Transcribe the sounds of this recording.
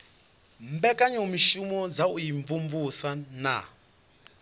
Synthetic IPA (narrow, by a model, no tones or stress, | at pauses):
mbɛkʼaɲɔmiʃumɔd͡zaujiɱvuɱvusana̰